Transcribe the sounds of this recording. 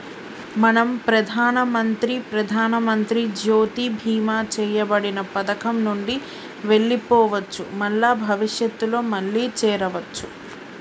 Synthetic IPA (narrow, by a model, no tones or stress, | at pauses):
mɐnɐmpɾɐd̪ʱaːnɐmɐnt̪ɾipɾɐd̪ʱaːnɐmɐnt̪ɾid͡ʒoːt̪ibʱiːmaːt͡ʃɛːjɐbɐɽinɐpɐd̪ɐkɐmnuɳɖi | ʋe̞ɭːipɔːʋɐt͡ʃːṵmɐɭːaːbʱɐʋiʂjɐt̪ːulo̞ːmɐɭːiːt͡ʃɛːɾɐʋɐt͡ʃːu